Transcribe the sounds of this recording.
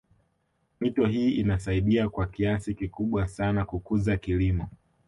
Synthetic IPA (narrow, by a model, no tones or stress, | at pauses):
mitɔɦiːinasaiɗiakwakiasikikuɓwasanakukuzakilimɔ